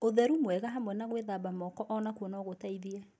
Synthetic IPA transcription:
oðɛɾumwɛɣaɦamwɛnaɣweðabamɔkɔʔɔnakuɔnɔɣotaiðiɛ

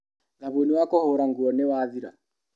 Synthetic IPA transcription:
ðaβoniwakɔhoɾaŋɡuɔnewaːðiɾa̰

